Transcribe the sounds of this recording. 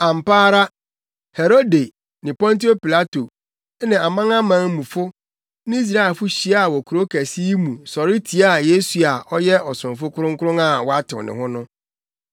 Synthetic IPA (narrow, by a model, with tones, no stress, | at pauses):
ã˨m̩˨paː˦ɾa˦ | he˨ɾo˦de˨ | nɪ̃˨pɔ̃˦nti˦o˦pi˨la˦to˨˦ | nɪ̃˨a˨mã˦ŋã˦mã˦ŋ˦mũ˨fʊ˦ | nɪ̃˦i˦s̬ɾa˦ɪ˨fʊ˦ɕi˨a˦˨wɔ˨kʰu˨ɾo˦kʰæ˨si˦i˦mũ˨sɔ˨ɾɪ˦tʰi˨a˦˨je˦su˨a˨ʔɔ˦jɛ˦ɔ˨sʊ̃˨fʊ˦kʰʊ˦ɾʊ̃˦ŋ̩˦kʊ˦ɾʊ̃˦ŋa˨wɔ˦a˦tʰɪ̰̃˨nɪ̰̃˨hʊ̃˦nʊ̃˦